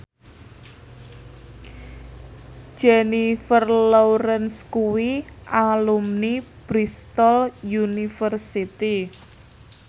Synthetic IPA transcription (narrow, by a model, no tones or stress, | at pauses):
d͡ʒ̥ɛnifərlɔwɾɛnskuwiʔalumnib̥ɾist̪ɔljunifərsit̪i